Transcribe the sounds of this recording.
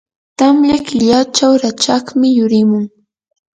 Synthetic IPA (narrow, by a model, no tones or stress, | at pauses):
t̪amʎakɪʎat͡ʃawɾat͡ʃaχmɪjʊɾɪmʊŋ